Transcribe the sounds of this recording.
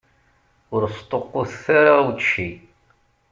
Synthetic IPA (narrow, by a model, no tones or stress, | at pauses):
ʊɾst̪ˤːoqːoθθaɾawtʃi